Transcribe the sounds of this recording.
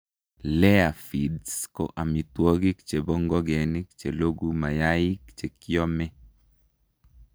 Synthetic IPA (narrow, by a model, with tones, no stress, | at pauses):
lɛ˦a˨fi˨dsko̰˦ʔa˨mi˨t̪wo˦ɡɪ˦kt͡ʃe˨bɔ˦ŋɡɔ˦ɡɛ˨ni˦kt͡ʃe˨lo˦ɡu˦ma˨ja˦ɪ˦kt͡ʃe˨kɪ˦ɔ˦mɛ˦